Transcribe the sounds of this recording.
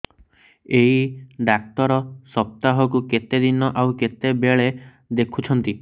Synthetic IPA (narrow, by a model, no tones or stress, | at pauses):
eɦiɖak̚t̪ɔɾɔsɔp̚t̪aɦɔkuket̪ed̪inɔʔawket̪ebeɭe | d̪ekʰut͡ʃʰɔnt̪i